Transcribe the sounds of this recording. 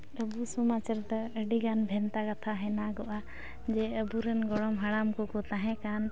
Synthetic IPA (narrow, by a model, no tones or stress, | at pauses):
əbusɔmat͡ʃəɾt̪aəɖiɡanbʱɛnt̪akat̪ʰaɦɛnaɡɔʔa | d͡ʒɛəbuɾɛnɡɔɽɔmɦəɽamkɔkɔt̪aɦɛ̃kan